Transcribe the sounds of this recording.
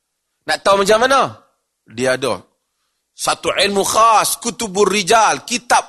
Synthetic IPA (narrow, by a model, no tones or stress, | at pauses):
naʔt̪aumad͡ʒamana | diaːdɔ̰ | sat̪uʕɪlmuxaskut̪ubʊrid͡ʒalkit̪ap̚